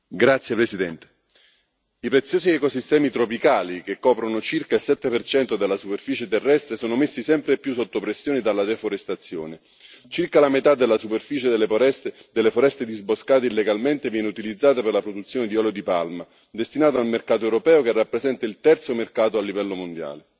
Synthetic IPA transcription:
ɡɾat̪sːjepɾesid̪ɛnt̪e̥ | ipɾet̪sːjoːziɛkosist̪ɛːmit̪ɾopikaːlikekːɔːpɾonot͡ʃirkailsɛt̪ːepert͡ʃɛnt̪od̪elːasuperfiːt͡ʃet̪erːɛst̪ɾesoːnomesːisɛmpɾepːjus̬ːot̪ːopɾesːjoːnid̪alːad̪efoɾest̪at̪sːjo̰ːne | t͡ʃirkalamet̪ad̪ːelːasuperfiːt͡ʃed̪ls | d̪elːefoɾɛst̪ed̪izboskaːt̪̬eilːeɡalment̪evjɛːneut̪ilid̪zːaːt̪aperlapɾod̪ut̪sːjoːned̪iɔleod̪ipa̰lma | d̪est̪inaːt̪oalmerkaːt̪oɛewɾopɛːokerːapːɾezɛnt̪ailt̪ɛrt̪somerkaːt̪oalːivɛlːomond̪ja̰ːle

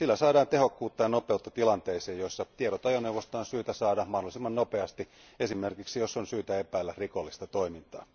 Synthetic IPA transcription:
silːæsɑːdɑːnt̪ehokːuːt̪ːɑjɑnopeut̪ːɑt̪ilɑnt̪eiseːjoisːɑt̪ieɾot̪ɑjoneuʋost̪ɑːnsyːt̪æsɑːdɑmɑhdolisimːɑnnopeɑst̪i | e̞simerkiksijosːonsyːt̪æepæːlːærikolːist̪ɑt̪oimint̪ɑ̰ː

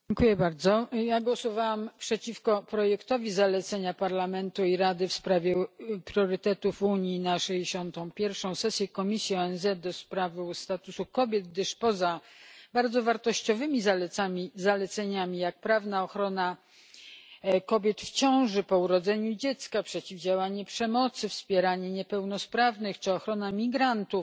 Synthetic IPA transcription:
d͡ʑɛŋkujɛbaɾd̪zɔjaɡwɔsɔvawampʂɛt͡ɕifkɔpɾɔjɛkt̪ɔvʲizalɛt̪sɛɲapaɾlamɛnt̪uiɾad̪ɘfspɾavʲjɛpɾʲjɔɾɘt̪ɛt̪ufuɲinaʂɛjd͡ʑeɕɔnt̪ɔ̃w̃pʲjɛɾfʂɔ̃w̃sɛsʲjɛkɔmʲisʲjiɔɛnzɛt̪̚d̪ɔspɾavst̪at̪usukɔbʲjɛd̪̚ɡd̪ɘʂpɔzabaɾd̪zɔvaɾt̪ɔɕt͡ɕɔvɘmʲizalɛamʲizalɛt̪sɛɲamʲijak̚pɾavnaɔxɾɔna | kɔbʲjɛt̪ft͡ɕɔ̃w̃ʐɘpɔuɾɔd̪zɛɲud͡ʑɛt̪skapʂɛt͡ɕivd͡ʑawaɲɛpʂɛmɔt̪sɘfspʲjɛɾaɲɛɲɛpɛwnɔspɾavnɘxt͡ʂɘɔxɾɔnamʲiɡɾant̪uf

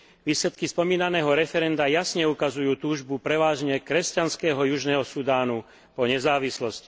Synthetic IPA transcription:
ʋiːslɛt̪kispɔmiːnanɛːɦɔɾɛfɛɾɛnd̪ajasɲɛukazujuːt̪uːʒbupɾɛʋaːʒɲɛkɾɛscanskɛːɦɔjuʒnɛːɦɔsud̪aːnu | pɔɲɛzaːʋislɔsci̥

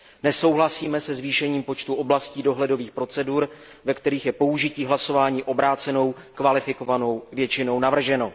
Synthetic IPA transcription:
nɛso̞wɦlasiːmɛsɛzviːʃɛɲiːmpo̞t͡ʃt̪uʔo̞blasciːdo̞ɦlɛdo̞viːxpɾo̞t͡sɛduɾ | vɛkt̪ɛɾiːxjɛpo̞uʒɪciːɦlaso̞vaːɲiːʔo̞bɾaːt͡sɛno̞w | kvalɪfɪko̞vano̞wvjɛt͡ʃɪno̞wnavr̩ʒɛno

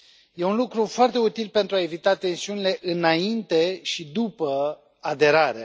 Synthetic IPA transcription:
je̞unlukɾufoart̪e̞ut̪ilpe̞nt̪ɾuae̞vit̪at̪e̞nsiunile̞ʔɨnaint̪e̞ʃid̪upə | ad̪e̞ɾaɾḛ

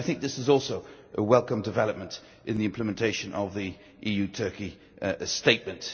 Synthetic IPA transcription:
ɪθɪ̃ŋk̚ðɪsɨzɔˑlˠsoʊ | ʔəwɛlˠkə̃mdɨvɛlˠəp̚mə̃nt | ʔɨ̃nðiɪ̃mpləmə̃ntʰeɪʃɨ̃nʔəvði | ʔijʉtʰɜˑ˞ki | steɪʔ̚mə̃nt

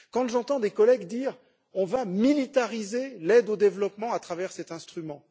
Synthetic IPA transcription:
kɑ̃ʒɑ̃t̪ɑ̃d̪ekɔlɛɡd̪iːʁ | ɔ̃vamilit̪aʁizelɛd̪od̪evlɔpmɑ̃at̪χavɛʁsɛt̪ɛ̃st̪χymɑ̃

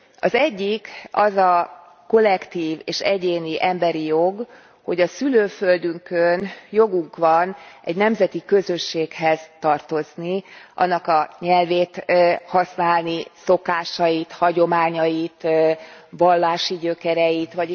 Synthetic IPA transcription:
ɒ̰zɛɟːikɒzɒ | ko̞lːɛkt̪iːveːʃɛɟeːniʔɛmbɛɾijo̞ɡ | ho̞ɟɒsyløːfø̞ld̪yŋkønjo̞ɡuŋkʋɒnɛɟnɛmzɛt̪ikø̞zø̞ʃːeːkhɛz̥t̪ɒrt̪o̞zniʔɒ̰nːɒkɒɲɛlveːt̪hɒsnaːlniso̞kaːʃɒjit̪hɒɟo̞maːɲɒjit̪ | vɒlːaːʃiɟøkɛɾɛjit̪ʋɒ

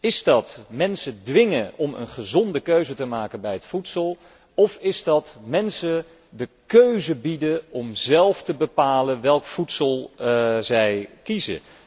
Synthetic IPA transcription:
ɪzdɑtmɛnsədʋɪŋəɔmə̰nχəzɔndəkøɥzətəmaːkənbɛjɦətfutsəlˠ | ɔfɪzdɑtmɛnsə | dəkøɥzəbidəɔmzɛlˠftəbəpaːlənʋɛlˠkfutsəlˠzɛjkizə̰

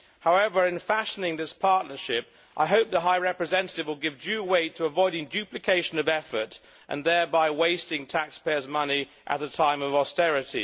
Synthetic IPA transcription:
haʊɛvə˞ɨ̃nfæʃənɪ̃ŋðɪspʰɑɹʔⁿnə˞ʃɪp | ʔaɪɦoʊp̚ðəɦaɪɹɛpɹɨzɛ̃nɨɾɨvwəlˠɡɪvd͡ʒʉweɪtʰəəvɔɪɾɪ̃ŋdʉplɨkʰeɪʃɨ̃nʌvɛfə˞ɾ | ʔɨ̰̃nðɛ˞baɪweɪstɪ̃ŋtʰækspɛə˞zmʌni | ʔɨ̰t̪̚ðɨtʰãɪ̃mʌvɑstɛɹɨɾḭ

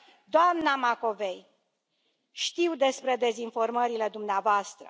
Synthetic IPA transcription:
d̪oamnamako̞ve̞j | ʃt̪iwd̪e̞spɾe̞d̪e̞zinfo̞rməɾile̞d̪umneavoast̪ɾə̰

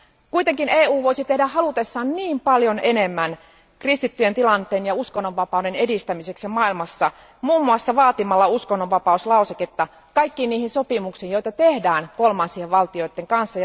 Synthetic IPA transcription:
kuit̪eŋkineːuːʋoisit̪ehdæhɑlut̪esːɑːnniːmpɑljonenemːæn | krist̪it̪ːyjent̪ilɑnt̪eːnjɑuskonːoʋʋɑpɑˑudenedist̪æmiseksjɑmɑilmɑsːɑ | muːmːuɑsːɑʋɑːt̪imɑlːɑuskonːoʋʋɑpɑuslɑuseket̪ːɑ | kɑijkːiːniːhinsopimuksiːjojt̪ɑt̪ehdæːnkolmɑnsieʋʋɑlt̪io̞it̪ːeŋkɑnsːɑ

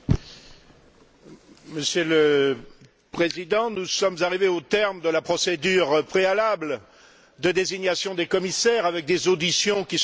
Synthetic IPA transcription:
məsjølə | pχezid̪ɑ̃nusɔmzaʁiveot̪ɛʁmd̪əlapχɔsed̪yʁpχealabl | d̪əd̪eziɲasjɔ̃d̪ekɔmisɛʁavɛk̚d̪ezod̪isjɔ̃kʲis

